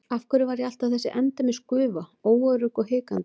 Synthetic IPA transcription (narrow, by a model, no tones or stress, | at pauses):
afkʏɾʏvaɾjɛal̥t̪ḁθɛsːɪʔɛnt̪amɪskʏːvaoːwœɾʏhkɔhɪːkant̪ɪ̥